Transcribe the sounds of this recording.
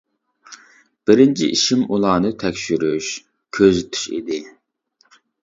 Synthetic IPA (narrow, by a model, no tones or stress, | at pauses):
b̥ɪɾɪnt͡ʃʰḭʔiʃimulˠɑːnɨt̪ʰɛkʲʃyɾyʃ | kʲʰøzt̪ʰy̥ʃḭd̪ɪ